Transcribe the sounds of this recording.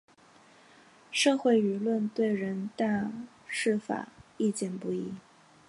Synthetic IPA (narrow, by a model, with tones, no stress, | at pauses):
ʂɤ˥˧xwe˥˩ɪy˧˥lwə˥˧nt̪we˥˩ɪɻə˧˥nt̪a˥˧ | ʂɻ̩˥˩fa̰˨˩i˥˧t͡ɕjɛ˥˩npu˥˩i˧˥˩